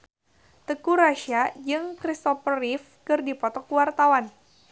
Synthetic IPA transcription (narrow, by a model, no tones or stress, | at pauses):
t̪əkuɾaʃiad͡ʒɨŋkɾist̪ɔfərifkɨrdipɔt̪ɔkuwart̪awan